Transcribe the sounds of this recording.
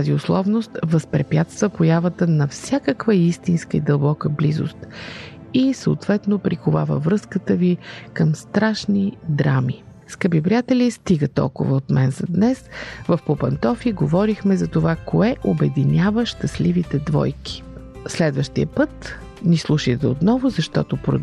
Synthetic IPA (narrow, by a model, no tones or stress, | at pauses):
t̪aziʊslˠɔvnost̪vəspɾɛpʲjat̪st̪vəpojavət̪ənɐfsʲjakəkvəist̪inskəid̪əlˠbɔkəblizo̰st̪ | isəot̪vɛt̪nopɾikʊva̰və̰vɾɤskət̪əvikəmst̪ɾaʃnid̪ɾami | skəbipɾʲijat̪ɛlist̪iɡət̪ɔ̰lˠkʊ̰vəot̪mɛnzɐd̪nɛsvəfpopɐnt̪ɔfiɡovɔɾixmɛzɐt̪ovakoɛʔobɛd̪inʲavəʃt̪ɐslivit̪ɛd̪vɔ̰jki̥ | slɛd̪vəʃt̪iəpɤt̪ | nislˠuʃit̪ɛot̪nɔvʊzɐʃt̪ɔ̰t̪ʊpɾo̰